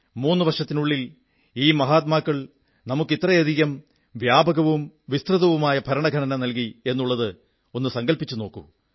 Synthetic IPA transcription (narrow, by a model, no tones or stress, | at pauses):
muːnːɨʋɐrʂɐt̪ːinuɭːil | iːmɐɦaːt̪̬̚maːkːɐɭ | nɐmukːit̪ːrɐjɐd̪ʱiɣɐm | ʋjaːbɐɣɐʋumʋist̪rɨðɐʋumaːjɐbʱɐɾɐɳɐɡʱɐnɐnɐnɐlkie̞nːuɭːɐðɨ | o̞nːɨsɐŋɡɐlpit͡ɕːuno̞ːkːṵ